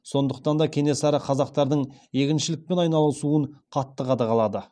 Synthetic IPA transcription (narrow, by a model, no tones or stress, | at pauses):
so̞nd̪əq̚t̪ɑnd̪ɑkʲʰe̞ne̞sɑɾɑqʰɑzɑqt̪ɑɾd̪əɴje̞kʲɪnʃɪlɪk̚pe̞nɑjnɑlˠəsuəɴqʰɑt̪ːəqɑd̪ɑʁɑlˠɑd̪ə